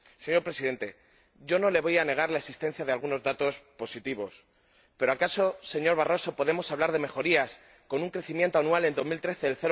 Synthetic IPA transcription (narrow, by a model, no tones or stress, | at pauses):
se̞ɲo̞ɾpɾe̞siðe̞nt̪e̞ | ɟ͡ʝo̞no̞le̞βo̞jane̞ɣ̞aɾlaesist̪e̞n̟θjaðealɣ̞uno̞zðat̪o̞spo̞sit̪iβ̞o̞s | pe̞ɾoakaso̞se̞ɲo̞ɾβ̞aro̞so̞po̞ðe̞mo̞saβlaɾð̞e̞me̞xo̞ɾias | ko̞nuŋkɾeθimjent̪oanwale̞nd̪o̞milt̪ɾe̞θe̞ːlθe̞ɾ